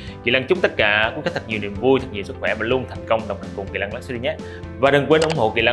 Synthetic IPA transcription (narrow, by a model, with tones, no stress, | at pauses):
kḭ˧˨laː˧ŋt͡ɕʊ˦˥k͡p̚t̪ə˦˥t̚kaː˧˩u˧˦˥kʰt̪ʰə˨˩t̚i˨˩wnḭ˧˨əmvu˧jt̪ʰə˨˩ɲḭ˧˨sɨ˦˥t̚xwɛ˧˩maː˨˩lu˧ənt̪ʰa˨˩jŋ̟kə˧wŋ͡mɗə˨˩wt̪ʰa˨˩ŋ̟kʊ˨˩ŋ͡mkḭ˧˨la˧ŋla˧˥sɗi˧ɲa˦˥t̚ | vaː˨˩ɗə˨˩ŋkwe˧n˧˩wŋ͡mɦo̰˧˨kḭ˧˨laː˧